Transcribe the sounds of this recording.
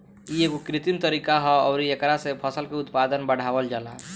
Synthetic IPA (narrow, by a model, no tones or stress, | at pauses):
ieɡokɾit̪imt̪əɾikaɦɔ̃ɔʊɾiekɾasepʰəsəlkeut̪pad̪ənbəɽ̤abəld͡ʒala̰